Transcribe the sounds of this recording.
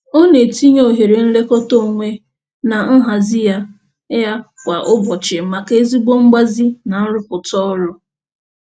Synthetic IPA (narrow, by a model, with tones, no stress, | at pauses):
o˦ne˨ti˦ɲo˨ɦe˨ɾe˨n̩˦le˦kɔ˦to˦˨ŋʷe˦ | na˨n̩˦ɦa˨zi˦ja˦ | ja˦ | kʷa˨ʔʊ˦bɔ˨t͡ʃɪ˨ma˨ke˦zi˦ɡ͡bo˦ŋ͡m̩˦ɡ͡ba˦zi˦na˨n̩˦ɾʊ˦pʊ˨tɔ˦lʊ˦